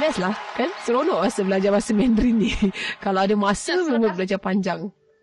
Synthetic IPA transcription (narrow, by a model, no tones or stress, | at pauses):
bɛslahkansəɾonɔʔmasəbəlad͡ʒamasəmɛndɾinikalawadamasəməmbət̪̚bəlad͡ʒapaɲd͡ʒaŋ